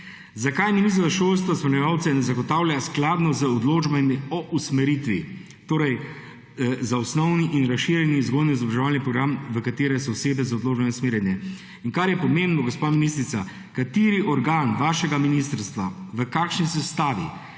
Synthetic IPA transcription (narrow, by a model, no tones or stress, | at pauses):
zakajminis̬t̪ɾaʃoːls̬t̪ʋɔsməɾnɛʋaw̪sɛnɛzaɡɔt̪awljasklad̪nɔzəɔd̪loːd͡ʒbamiɔʔusmɛɾit̪ʋi | t̪oːɾɛj | zaɔsnɔwniʔinɾasʃiɾjɛniːzɡoːd̪niizɔbɾaʒɛʋaːlnipɾɔɡɾamʋəkat̪eːɾɛsɔɔseːbɛzaɔd̪loːd͡ʒbanɛsmeːɾjɛnjɛ | iŋkaɾjɛpɔmẽmbnɔɡospaminist̪ɾit̪sa | kat̪eːɾiʔɔɾɡaːnʋaːʃɛɡaminis̬t̪əɾst̪ʋaʋəkaːkʃnisɛst̪aːʋi